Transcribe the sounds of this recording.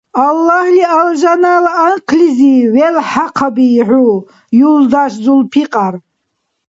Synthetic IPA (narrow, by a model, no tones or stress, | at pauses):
alːahlialʒanalaːnqʰliziwelħaqʰabiːʕʷu | juld̪aʃzulpʰiqʼar